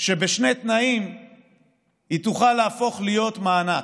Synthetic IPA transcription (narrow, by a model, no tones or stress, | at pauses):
ʃe̞beʃne̞t̪naim | it̪uχalaːfo̞χlijo̞t̪maːna